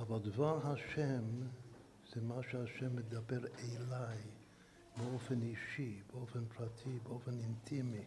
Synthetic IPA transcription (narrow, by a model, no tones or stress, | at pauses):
avalˠdvaɾɦaʃɛm | z̥ɪmaʃaʃɛmːɪd̪abɛɾeɪlaɪ | mofɛniʃibofɛnpɾatʰibofɛnɪntʰimɪ